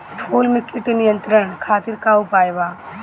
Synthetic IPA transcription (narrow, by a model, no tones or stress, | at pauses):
pʰoːlmɪkɪʈnijə̃nt̪ɾəɽ̃kʰaːt̪ɪɾkaʊpaːjbaː